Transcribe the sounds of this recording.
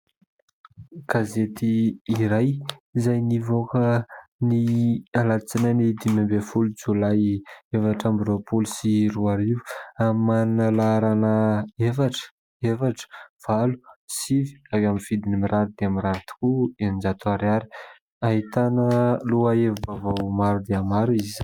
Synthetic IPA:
ɡ̥azet̪iːɾajzajnivokənialat͡sinanid̪imambefulud͡zulajevaʈ͡ʂambɾopulsiɾuaɾivu̥amannalaɾanəefaʈ͡ʂə̥ | efaʈ͡ʂə̥v̥alu̥sivi̥awamivid̪inimiɾaɾud̪eamiɾaɾt̪u̥kuenind͡ʒat̪ʰoaɾaɾi̥ | aɦit̪anəluaevubavawmaɾud̪eamaɾuiz̥

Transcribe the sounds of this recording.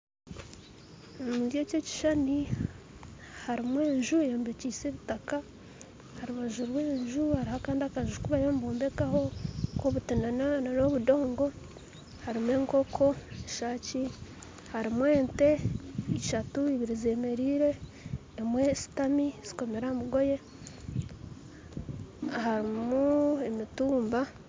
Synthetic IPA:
omudjececi̥ʃani | haɾimwe̞ːɲʒujoːmbeciːseβitaka | haɾuβaʒuɾweːɲʒuhaɾihakaːndiakaʒukuβajoːmboːmbe̞kaho̞koβutinanananoβudo̞ːŋɡo̞ | haɾimwe̞ːŋko̞kʰo̞eʃaːci | haɾimwe̞ːnte̞iʃatuiβiɾize̞me̞ɾiːɾe̞ː | mwe̞si̥tamiz̥i̥ko̞me̞ɾamuɡo̞je̞ | haɾimuemituːmba

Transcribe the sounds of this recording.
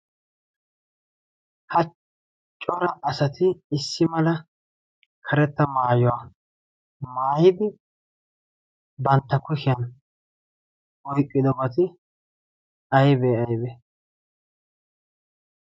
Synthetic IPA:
hɐ | t͡ʃʼɔɾɐʔɐsɐt̪ʰɪɪsːɪmɐlɐ | kʰɐɾɛt̪ːɐmaːjɔwa | maːjɪd̪ɪ | bɐnt̪ːɐkʊʃɪjɐn | ɔjkʼːɪd̪ɔbɐt̪ɪ | ɐjbɛːɐjbɛ

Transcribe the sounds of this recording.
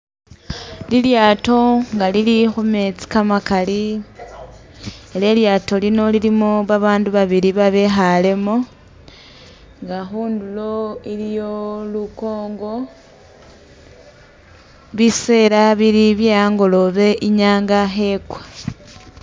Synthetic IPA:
liljaːto̞ŋɡalilixume̞t͡si̥kamakali | ele̞ljaːto̞lino̞lilimoβaβaːnduβaβiɾiβaβe̞xale̞mo | ŋɡaxuːndulo̞ilijo̞luko̞ːŋɡo̞ | βise̞ːɾaβiɾiβjejaːŋɡo̞lo̞βe̞ʔiɲaːŋɡaxe̞kwḁ

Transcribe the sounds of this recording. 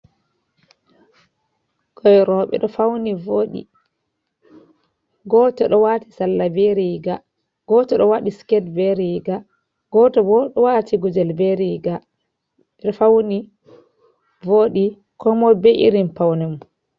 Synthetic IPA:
kɔjɾɔɓɛ̰ɗɔfawnivoɗḭ | ɡɔtɔɗɔwati̥salːabeɾiɡa | ɡ̥ɔtɔɗɔwaɗiskɛdbɛɾiɡa | ɡ̥ɔtɔbɔɗɔwatʰiɡud͡ʒɛlbɛɾiɡa | ɓɛɗɔfawni | voːɗi | kʰɔmɔbɛʔḭɾimpawnɛm

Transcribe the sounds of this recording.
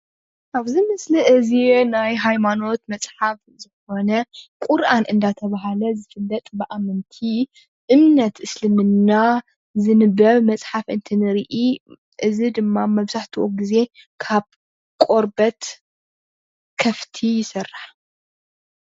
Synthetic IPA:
ʔaβzimɨsliʔɨzinajɦajmano̞t̪mɐsʼħaf | zɨko̞nɐkʷʼʊɾʔanʔɨnd̪at̪ʰɐβaɦalɐzɨfɨlːɐt̪ʼbɨʔamɨnt̪ʰi | ʔɨmnɐt̪ʔɨslɨmɨnːa | zɨnɨbɐβmɐt͡sʼħafʔɨ̰nt̪ʰɨnɨɾʔi | ʔɨzid̪ɨmːamɐβzaħt̪ʰiwʔoɡize̞ | kʰaβ | kʼo̞ɾbɐt̪ | kʰɐft̪ʰijɪsɨrːaħ

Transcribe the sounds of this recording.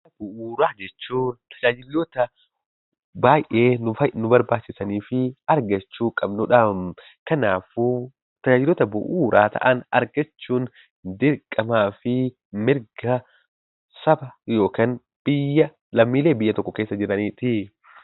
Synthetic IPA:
bʊʔuːɾaːd͡ʒɛt͡ʃːuːnt̪ʰɐ̥d͡ʒaːd͡ʒɪlːɔt̪ɐ | baːjʔʔe̞ːnʊfɐnʊbɐɾbaːt͡ʃːɪsɐniːfɪɐɾɡɐt͡ʃːuːkʼɐbnʊᶑɐ | kɐnaːfuː | t̪ɐd͡ʒaːd͡ʒɪlːɔːt̪ɐbʊ̰ʔuːɾʔaːt̪ʰɐ̰ʔɐnɐɾɡɐt͡ʃːuːn | d̪ɪɾkʼːɐmaːfɪ | mɪɾɡɐ | sɐbɐjo̞ːkɐn | b̥ɪjːɐ | lɐmːiːle̞ːbɪjːɐt̪ɔkːɔkeːsːɐd͡ʒɪɾɐniːt̪ɪ

